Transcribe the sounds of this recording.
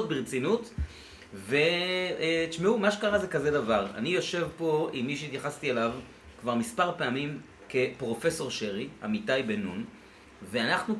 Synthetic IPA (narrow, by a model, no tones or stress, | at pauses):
ot̚beʁt͡sinut | ve̞ | ʃmeumaʃekaʁazekaze̞davaʁa̰nijo̞ʃe̞vpo̞imːiʃ̬eit̪jaχast̪ielav | kvaʁmispaʁpeamim | ke̞pʁo̞fe̞so̞ʁʃeʁia̰mitajbe̞nun | veanaχnu